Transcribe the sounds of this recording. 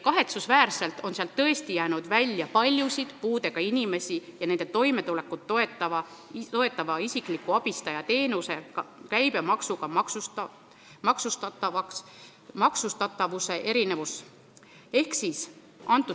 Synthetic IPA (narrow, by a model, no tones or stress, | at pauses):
kɑɦe̞t̪susvæːrse̞lt̪o̞nseɑlt̪ːɤe̞st̪ijæːnud̪̥vælʲjɑpɑlʲjusid̪̥puːd̪e̞ɡ̥ɑinime̞sijɑne̞nd̪̥e̞t̪o̞jme̞t̪ule̞kːˑut̪ːoet̪ːɑvɑt̪o̞e̞t̪ːˑɑvɑisikˑlikːˑuɑb̥ist̪ɑjɑt̪e̞ːnuse̞ɑkæjbe̞mɑksuɡ̥ɑmɑksu | mɑksust̪ɑt̪ːɑvɑks | mɑksust̪ɑt̪ːˑɑvuse̞ʔe̞ɾine̞vus | e̞hksis | ʔɑnt̪ːˑu